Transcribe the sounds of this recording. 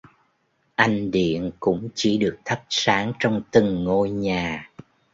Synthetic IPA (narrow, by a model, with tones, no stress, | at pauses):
ʔa˧jŋ̟ɗḭ˧˨ənkʊ̰˧˥ŋ͡mt͡ɕi˧˩ɗɨ˨˩ək̚t̪ʰə˦˥p̚saː˨˦ŋt͡ɕɔ˧wŋ͡mt̪ɨ˨˩ŋːo˧jɲaː˨˩